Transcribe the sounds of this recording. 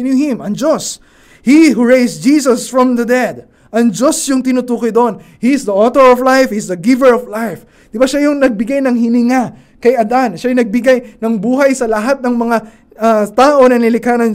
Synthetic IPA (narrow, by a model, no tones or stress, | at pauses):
njuhɪ̃mʔɐŋd͡ʒos | hihuɹejsd͡ʒisɐsfɹɔ̃mðɐd̪ɛd̪̚ | ʔɐŋd͡ʒo̞sjʊŋt̪ɪnʊt̪uːkɪd̪oon | hisd̪ɐʔot̪oɹɔvlajfhisd̪ɐɡɪvəɹɔvlajf | d̪̥ɪbaʃajʊŋnɐɡ̚bɪɡajnɐŋhɪnɪŋa | kɐjɐd̪anʃajʊnɐɡ̚bɪɡajnɐŋbuːɦɐjsɐlɐɦat̪̚nɐŋmɐŋa | ɐt̪aːʔo̞nɐnɪlɪkaːnɐn